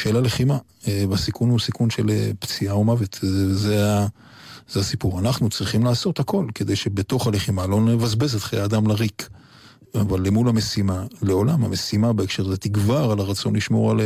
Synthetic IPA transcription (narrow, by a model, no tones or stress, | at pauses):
ʃeːlale̞χima | ebasikunhusikunʃe̞lept͡siaomavet̪zea | z̥easipuʁanaχnut͡sʁiχimlaːso̞t̪hako̞lke̞d̪e̞jʃe̞bet̪o̞χale̞χimalo̞nevazbe̞zet̪χejaːd̪amlaʁik | avalːemulamesimale̞o̞lamhame̞simabeekʃeʁzet̪iɡvaʁalaʁat͡so̞nliʃmo̞ʁale